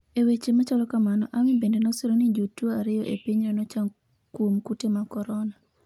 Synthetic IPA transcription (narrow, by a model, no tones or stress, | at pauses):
ewet͡ʃemat͡ʃalɔkamanɔʔamibendenɔselonid͡ʒotoaɾɪjɔʔḛpiɲanɔt͡ʃaŋ | kwomkutemakɔɾɔna